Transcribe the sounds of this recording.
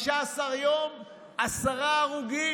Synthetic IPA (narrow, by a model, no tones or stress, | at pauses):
ʃaːsaʁjom | asaʁaːʁuɡi